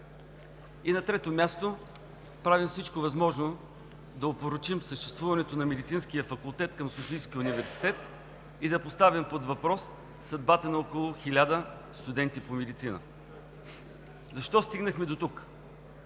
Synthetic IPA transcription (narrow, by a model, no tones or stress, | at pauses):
inɐt̪ɾɛt̪omʲjast̪o | pɾavimfsit͡ʃkovɐzmɔʒno | d̪ɐopoɾot͡ʃimsəʃt̪ɛst̪vuvɐnɛt̪onɐmɛd̪it̪sinskijəfɐkulˠt̪ɛt̪kɐmsofijskiunivɛɾsi̥t̪ɛt̪ | id̪ɐpost̪avimpod̪vɐpɾɔsː | ɐd̪̚bat̪ənɐɔkolˠʊxilʲad̪ə | st̪ʊd̪ɛnt̪ipomɛd̪it̪sinə̰ | zɐʃt̪ɔst̪iɡnəxmɛd̪ot̪uk